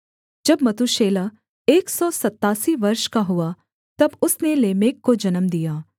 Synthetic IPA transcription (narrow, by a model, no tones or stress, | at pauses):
d͡ʒɐbmɐt̪uʃeːla | eːksɔsɐt̪ːaːsiʋɐɾʃkaɦʊa | t̪ɐbʊsneleːmeːkːod͡ʒɐnəmd̪ijaː